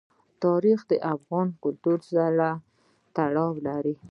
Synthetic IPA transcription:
t̪ɑɾixd̪əʔafɣɑnkʊlt̪uɾsaɾa | t̪aɽɑwlaɾi

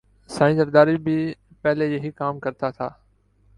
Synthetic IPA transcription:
sãːĩzɐɾd̪aːɾibɪ | pɛɦlejɐɦikaːmkɐɾt̪ʰat̪ʰa̰ː

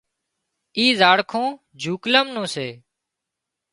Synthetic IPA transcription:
iːzaːɽkʰõː | d͡ʒʱuːkləmnũːseː

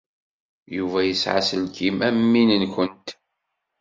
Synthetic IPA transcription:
juvæjəsʕa̰səlkimæmːinənkʷənt̪

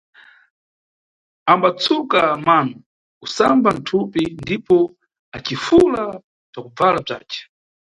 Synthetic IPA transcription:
ambat͡sʰukamanɔ | kusamban̩tʰupindipɔ | at͡ʃifula | t͡ʃakub͡valab͡ʐa̰ːt͡ʃɛ̥

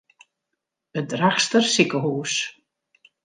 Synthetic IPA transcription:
ət̚draxstərsikəɦuːs

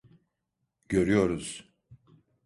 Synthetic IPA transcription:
ɟø̞ɾyjo̞ɾuz̥

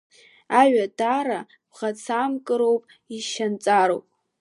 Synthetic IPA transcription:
aɥadaɾa | b̥ʁat͡sʰamkʼɨɾo̞wpʼ | iʃant͡sʼaɾo̰wpʼ

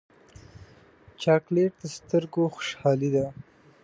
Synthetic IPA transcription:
t͡ʃɑːkleʈ̚d̪əst̪əɾɡoxʊ̥ʃhɑːlid̪a

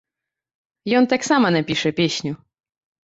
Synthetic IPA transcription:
jɔnt̪aksamanapʲiʂɛpʲjeɕɲu

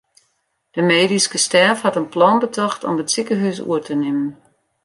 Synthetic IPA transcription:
d̥əmeːdiskəstɛrfhɑtənplɑnbətʰɔxtɔ̰mətsikəɦysṵətʰənɪmən

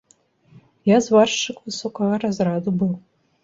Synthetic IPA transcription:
jazwarʂɨkʷʼwɨsukʷʰaʁaɾazrad̪ubɨl

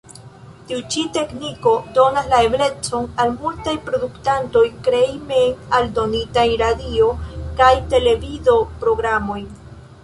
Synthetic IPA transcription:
tiut͡ʃite̞kniko̞do̞naslae̞ble̞t͡so̞nalmultajpɾo̞duktanto̞jkɾejmejnaldo̞nitajɾadio̞kajte̞le̞vizo̞pɾo̞ɡɾamo̞jn

